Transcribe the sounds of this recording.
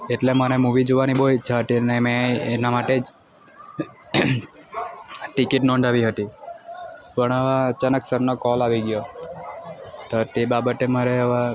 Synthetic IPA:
eʈlemənemuʋid͡ʒoʋaniboit͡ʃʰəɦət̪iənemẽːnamaʈed͡ʒ | ʈikiʈnɔ̃ɳd̪ʱaʋiɦət̪i | pəɳəʋaət͡ʃanəksəɾnokɔlaʋiɡjo | t̪ot̪ebabət̪eməɾeəʋa

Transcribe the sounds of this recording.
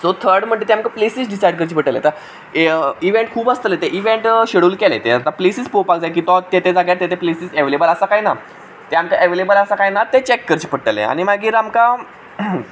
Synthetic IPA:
sot̪ʰəɾɖm̤əɳd͡ʑ̪et̪eamkaplesisɖisajɽk̬əɾt͡ɕipəʈəlḛt̪a | iʋeɳʈ̚kʰuːbəst̪əlet̪eʔiʋeɳʈɕeɽuːlkelḛt̪eat̪aplesiːt͡spopakd͡zajk̬it̪ɔt̪et̪ed͡zaɡjaɾt̪et̪ʰeplesiːseʋelebələsakajna | t̪eamkaʔeʋelebələsakajnat̪et͡ɕekːəɾt͡ɕiːpəʈəlḛa̰ñimaɡiːɾamka

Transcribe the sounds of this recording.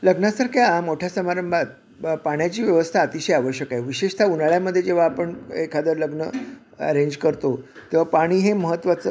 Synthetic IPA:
ləɡnasəɾkʰjamoʈʰjasəmaɾəmbʱat̪̚ | paɽ̃jat͡ɕiːʋjəʋəst̪ʰaːt̪iɕəjaʋəɕjəkajʋiɕeʂt̪ʰaunaɭjaməd̪ʱːjed͡ʑeʋ̤aːpəɳekʰad̪əɾləɡnə | ə̰ɾeɲd͡ʑkəɾt̪ot̪eʋ̤apaɽ̃iːɦeməɦət̪ːʋat͡sə

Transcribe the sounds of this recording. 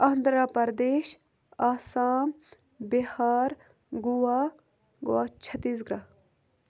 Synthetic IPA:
aːnd̪ɾaːpɐɾd̪eːʃ | aːsaːm | bihaːɾ | ɡuwaː | ɡwaːt͡ʃʰɐt̪iːs̬ɡɾaː

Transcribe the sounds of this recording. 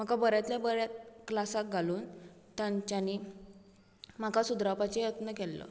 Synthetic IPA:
m̤akabəɾjat̪ljabəɾjat̪klasak̚ɡʱaluːn | t̪jãɲt͡ɕani | m̤akasud̪ɾapat͡ɕejət̪nəkɛlːə̰

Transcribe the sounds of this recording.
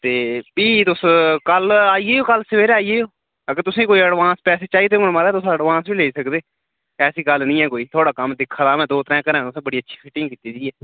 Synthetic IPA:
t̪eːpiːt̪ʊskəlaːiːeːoːkəlsəʋeːɾaːiːeːoː | əɡəɾt̪ʊsẽːkoːiːəɽʋãːnspɛːseːt͡ʃaːiːd̪emʊnmaːɾɛːt̪ʊsəɽʋãːnsbiːleːisəkd̪eː | ɛːsiːɡəlnĩːɛ̃ːkoːiːt̪ʰoːɽaːkəmd̪ɪkʰːaːd̪aːmɛ̃ːd̪oːt̪ɾɛ̃ːkəɾɛ̃ːt̪ʊsẽːbəɽiːətːʃʰi̥ːfʰɪʈɪ̃ŋɡkiːt̪iːd͡ʒiːɛː

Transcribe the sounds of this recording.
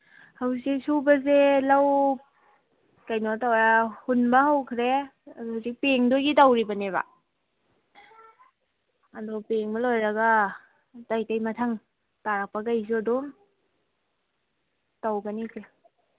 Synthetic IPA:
hawsik̚subɐzelaw | kajnotawahunbɐɦawkʰɾeɐduhusik̚peŋdoɡitawɾibɐneβa̰ | ɐdɔpeŋbɐlojɾɐɡa | tajtajmɐtʰaŋ | taɾak̚pɐkajs̬uɐdɔm | tawɡɐnikʰɾe

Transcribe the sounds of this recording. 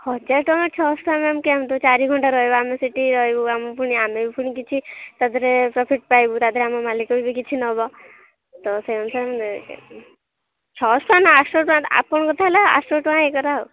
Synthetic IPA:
hɔd͡ʒaʈɔmet͡ʃʰɔsʈʰuameamkiamt̪ɔt͡ʃaɾiɡʱɔɳʈaɾɔjbɔamesiʈiɾɔɦjbuamɔpuɽ̃iamebipuɽ̃ikit͡ʃʰit̪ad̪ʱɾepɾɔpʰiʈ̚pajbut̪ad̪ʱɾeamɔmalikɔbibikit͡ʃʰinɔbɔ | t̪ɔseɔnsam | t͡ʃʰɔsʈuanaasʈoʈãa̰pɔɳ̃ɡɔt̪ʰalaa̰sʈoʈʋãekɔɾau

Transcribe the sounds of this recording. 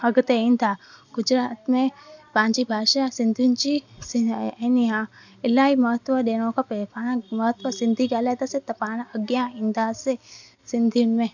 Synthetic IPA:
ɐɡt̪eĩnd̪ʰaɡ̥ʊd͡ʒɾaːt̪mẽpãːɲt͡ʃibʱaːʃasɪ̃nd̪ʱint͡ʃiseniɦã | ɪlaːimɐɦət̪ʋəd̪eːnõkapepaːnamɐɦət̪ʋəsɪ̃nd̪ʱiɡaːlad̪aset̪ɐpaːnaʔɐɡjãɪ̃nd̪aːse | sɪnd̪ʱinmẽ

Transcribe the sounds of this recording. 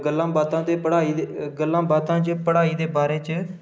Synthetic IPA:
ɡəlːãːbaːt̪ãːt̪eːpəɽaːiːɡəlːãːbaːt̪ãːt͡ʃəpəɽaːiːd̪eːbaːɾeːt͡ʃə

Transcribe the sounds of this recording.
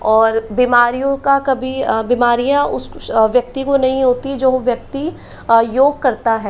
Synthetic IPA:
ɔːɾbimaːɾijõkakɐbʱibimaːɾijãʊsʋjɐk̚t̪ikonɐɦĩɦoːt̪id͡ʒoːʋjɐk̚t̪i | joːɡ̚kɐɾt̪aɦɛː

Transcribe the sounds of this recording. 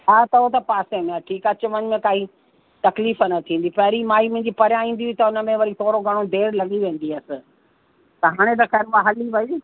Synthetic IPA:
ɦaːt̪ɐɦot̪̬ɐpaːsemẽaːʈʰiːkɐt͡ɕʊʋənɪ̆mẽkaːi | t̪ɐkliːfənɐt̪ʰĩːnd̪ipɐɦɪɾimaːimʊ̃ɦɪ̃ɲd͡ʑipɐɾjãĩːn̆d̪iĩt̪ɐʊnə̆mẽʋɐɾit̪ʰoːɾoɡʱɐɽ̃od̪eːɾlɐɠiʋẽːn̆d̪iɐsɪ̆ | t̪ɐɦaːɽ̃et̪̬ɐxɛːɾʋaɦɐliʋɐi

